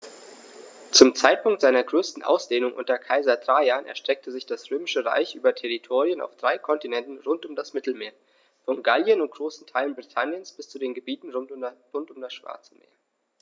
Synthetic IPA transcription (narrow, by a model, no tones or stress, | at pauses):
t͡sʊmt͡saɪt̚pʰʊŋktz̥aɪnɐɡʁøːstn̩ʔa̰ʊsd̥eːnʊŋʔʊ̰ntɐkʰaɪzɐdʁaaːnʔɛ̰ɐʃtʁ̥ɛk̚tʰəzɪçd̥asʁ̥øːmɪʃəʁa̰ɪçʔyːbɐtʰɛʁitʰoːʁiəna̰ʊfd̥ʁaɪkʰɔntinɛntn̩ʁʊntʊmdasmɪtl̩meːɐ | fɔnɡaljənʊnt̚ɡ̥ʁoːsn̩tʰaɪlənbʁitʰanjənsb̥ɪst͡sudeːnɡəbiːtn̩ʁʁʊntʊmdasʃv̥a̰ːɐt͡səmḛːɐ